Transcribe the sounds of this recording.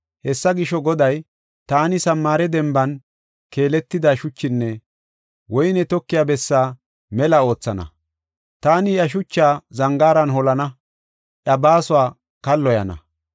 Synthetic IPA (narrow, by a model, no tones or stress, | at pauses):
hɛsːɐɡɪʃɔɡɔd̪ɐj | t̪aːnɪsɐmːaːɾɛd̪ɛmbɐn | ke̞ːlɛt̪ːɪd̪aʃʊt͡ʃːɪnːɛ | wɔjnɛt̪ɔkːɪjaːbɛsːaː | mɛlɐo̞ːt͡sːɐnɐ̰ | t̪aːnɪjɐʃ̬ʊt͡ʃːaːzɐŋɡaːɾɐnɦɔlɐnɐ | ʔɐbaːsʊwaː | kɐlːɔjɐnɐ̰